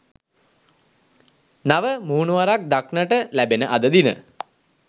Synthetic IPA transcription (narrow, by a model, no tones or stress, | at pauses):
naʋəmuːnuʋaɾak̚d̪aknəʈəlæbenəʔad̪əd̪inə̰